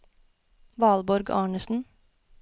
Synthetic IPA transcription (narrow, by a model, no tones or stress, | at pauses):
ʋɑːlbɔɾɡɑ̰ːɳəsn̩